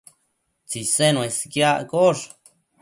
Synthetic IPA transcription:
t͡sisenũeskjakoʂ

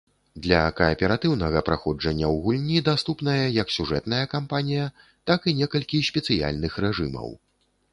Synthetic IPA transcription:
d̪lʲɐkɐːpʲɛɾat̪ɨwnɐɣɐpɾaxɔd͡ʐɐnʲːɐwɣulʲnʲid̪ast̪upn̪ɐjɐjɐksʲuʐɛt̪nɐjɐkampanʲijɐ | t̪akinʲɛkɐlʲkʲisʲpʲɛt̪sɨja̰lʲnɨxrɛʐɨmɐ̰w

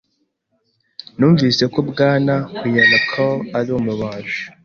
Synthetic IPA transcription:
nuːɱviːse̞kobɡaːnakwijanakʰoaɾumuβaːʒu̥

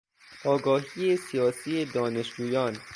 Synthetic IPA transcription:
ɒːɡɒːɦiesijɒːsiːe̞d̪ɒːne̞ʃd͡ʒuːjɒːn

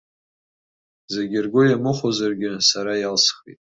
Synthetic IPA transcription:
zeɡʲɪrɡʷojamɨχozarɡʲɪsaɾajalsχḭtʼ

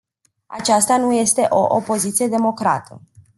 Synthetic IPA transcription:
a̰t͡ʃast̪anuje̞st̪e̞ʔo̞ʔopo̞zit̪sije̞d̪e̞mo̞kɾa̰t̪ʰə

